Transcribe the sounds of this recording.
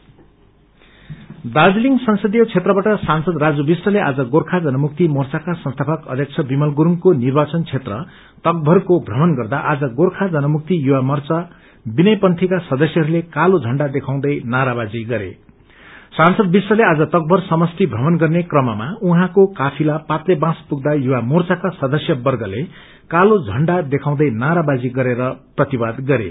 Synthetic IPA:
d̪ad͡zliŋsʌnsʌd̪ijʌt͡sʰet̪rʌbaʈʌsansʌd̪rad͡zubisrʌleʔa̰d͡zʌɡorkʰad͡zʌnʌmuk̚t̪imʌrt͡sakasʌ̃nst̪ʰapʰʌkʌ̰d̪ʱjʌk̚t͡sʰʌbimʌlɡuɾuŋkonirbat͡sʌnt͡sʰet̪rʌ | t̪ʌk̚bʱʌrkobʱrʌmʌnɡʌrd̪aʔad͡zʌɡorkʰad͡zʌnʌmuk̚t̪ijuwamʌrt͡sa | binʌjpʌnt̪ʰikasʌd̪ʌsjʌɦʌɾulekalod͡zʱʌɳɖad̪ekʰãw̃d̪ʌjnaɾabad͡ziɡʌɾḛ | sansʌd̪̚biswʌlead͡zʌt̪ʌk̚bʱʌrsʌmʌst̪ibʱrʌmʌnɡʌrnekrʌmamauɦãkokapʰilapat̪lebãspuɡ̚d̪ajuwamort͡sakasʌd̪ʌsjʌbʌrɡʌle | kalod͡zʱʌɳɖad̪ekʰãw̃d̪ʌjnaɾabad͡ziɡʌɾeɾʌprʌt̪ibad̪ɡʌɾḛ

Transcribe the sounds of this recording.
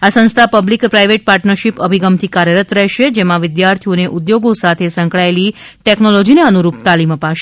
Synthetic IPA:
asə̃nst̪ʰapəblikpɾaiʋeʈ̚paɾʈnəɾʃipəbʱiɡəmt̪ʰikaɾjəɾət̪ɾɛɦʃed͡ʒemãʋɪd̪jaɾt̪ʰijoneʔud̪joɡosat̪ʰesə̃ŋkɭaeliʈɛknolɔd͡ʒineənuɾupt̪aliməpaʃe

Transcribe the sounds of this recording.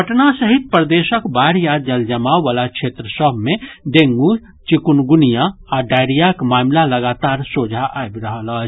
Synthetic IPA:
pəʈnasəɦit̪̚pɾd̪esəkbaɾjad̪̚d͡ʒəld͡ʒəmawːalakt͡ʃʰet̪ɾəsəbʱmeɖeŋɡu | t͡ʃikunɡunijaaɖajɾijakmamlaləɡat̪aɾsod͡ʒʱaʔaebɾəɦələt͡ʃʰ

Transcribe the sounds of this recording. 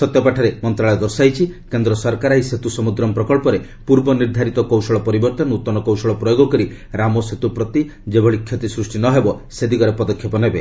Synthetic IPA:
sɔt̪jɔpaʈʰɔɾemɔnt̪ɾaɭɔjɔd̪ɔɾsajt͡ʃʰikend̪ɾɔsɔɾkaɾajset̪usɔmud̪ɾɔmpɾɔkɔɭpɔɾe | puɾbɔniɾd̪ʱaɾit̪ɔkowsɔɭɔpɔɾibɔɾt̪ɔnut̪ːɔnɔkowsɔɭɔpɾɔjoɡɔkɔɾi | ɾamɔset̪upɾɔt̪i | d͡ʒebʱɔɭikʰjot̪isɾusʈinɔɦebɔ | sed̪ikɔɾepɔd̪ɔkʰːjepɔnebe

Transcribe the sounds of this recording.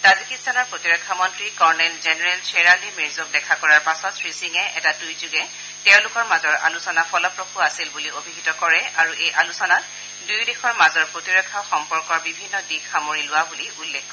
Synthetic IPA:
tazikitsʰanɔɹpɹotiɹɔkʰːamɔntɹikɔɹnɛlzenɛɹɛlsʰeɹalimiɹzɔk̚dɛkʰakɔɹaɹpasɔtfʰɹisiŋɛʔɛ̰tadujzuɡɛ | tɛʊ̃lʊkɔɹmazɔɹʔa̰lusɔnapɔlɔpɹoxʰuasilbuliobʱiɦitɔkɔɹɛaɹuʔejʔalusɔna | dujdixɔɹmazɔɹpɹotiɹɔkʰːaxɔmpɔɹkɔɹbibʱinːɔdixxamoɹilʊwabuliulːekʰːɔ

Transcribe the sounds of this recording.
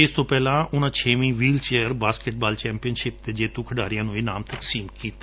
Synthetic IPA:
ɪst̪õːpɛːlãːʔʊnãːt͡ʃʰeːʋĩːʋiːlt͡ʃeːəɾbaːskeʈ̚baːlt͡ʃɛ̃ːmpijənʃɪp̚d̪eːd͡ʒeːt̪ũːkʰəɖaːɾɪjãːnũːiːnaːmt̪əksiːmkiːt̪e

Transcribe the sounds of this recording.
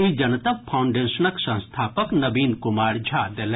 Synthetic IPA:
id͡ʒɐnət̪ɐpʰaʊ̃ɳɖeːnʃənəksɐ̃nst̪ʰaːpəknɐbiːnkʊmaːɾd͡ʒʱaːd̪el

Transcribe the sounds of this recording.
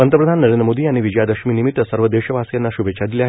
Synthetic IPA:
ənt̪ɾəpɾəd̪ʱanːəɾẽnd̪ɾəmod̪iaɽ̃iʋid͡ʑəjad̪əkʂmiːnimit̪ːəsəɾʋəd̪eɕəʋasjanːaɕubet͡ɕʰad̪iljaɦ

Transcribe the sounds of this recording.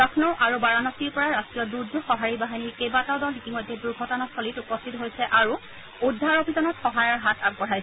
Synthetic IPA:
akʰnɔʔaɹubaɹanɔtiɹpɔɹaɹastɹijɔduɹdʱɔxɔɦaɹibaɦiniɹkebatawdɔlitimɔjdːɛduɹɡʱɔtɔnatsɔlitupɔstʰitɔɦojsɛʔaɹu | udʱːaɹobʱizɔnɔtxɔɦajaɹɦatʰak̚bɔɹ̤ajsɛ

